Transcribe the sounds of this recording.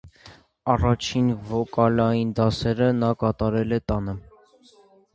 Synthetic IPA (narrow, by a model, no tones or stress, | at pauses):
ɑrɑt͡ʃʰinvɔkɑlɑjind̪ɑsɛɾənɑkɑt̪ɑɾɛlɛt̪ɑnə